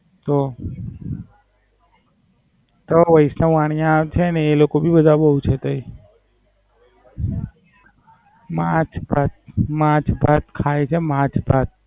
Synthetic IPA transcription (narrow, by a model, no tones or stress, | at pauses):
t̪o | t̪oʋəisnãʋaɽ̃jãt͡ʃʰeəneːlokobʱibəd̪ʱabəɦut͡ʃʰet̪oi | mãt͡ʃbat̪̚mãt͡ʃʰbʱat̪kʰaet͡ʃʰemãt͡ʃbʱat̪̚